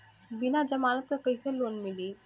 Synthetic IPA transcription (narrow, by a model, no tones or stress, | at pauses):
binad͡ʒɐmaːnət̪̚kekəjseloːnmiliː